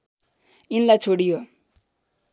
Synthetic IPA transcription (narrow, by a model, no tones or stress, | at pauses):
inlajt͡sʰoɽijo